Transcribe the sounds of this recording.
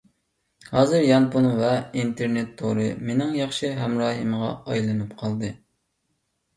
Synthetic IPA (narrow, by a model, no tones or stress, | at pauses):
hɑːzɨɾjɑnpunvɛint̪ʰeɾnet̪ʰːoɾɨmenɪŋjɑχʃɨɦɛmɾɑːɦɨmʁɑ̰ɑjlˠɨnɨpqʰɑlˠd̪ɨ